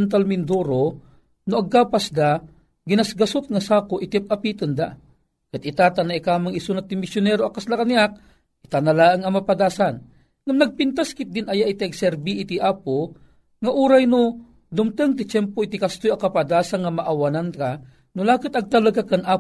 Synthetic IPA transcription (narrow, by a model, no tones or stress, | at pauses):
nt̪̬almɪnd̪uɾo | nʊɐɡ̚kaːpasd̪a | ɡɪnasɡasʊt̪̚ŋasaːkoʔɪt̪iap̚ʔapit̪ɨnd̪a | kat̪it̪at̪anaʔikaːmaŋisunat̪ɪmɪsjʊnɛɾoakaslakaniak̚ | ʔit̪analaːəŋɐmapad̪aːsan | ŋamnaɡ̚pint̪askɪt̪̚d̪ɪnʔajaʔit̪iʔaɡsɛɾbiʔːt̪iʔaːpo | ŋaʔuːɾajno | d̪ʊmt̪ɨŋt̪̬ɪt͡ʃɛmpoit̪ikast̪ojakapad̪aːsanŋamaʔawananka | nʊlaːkɨt̪ɐɡ̚t̪alaɡakaŋʔaː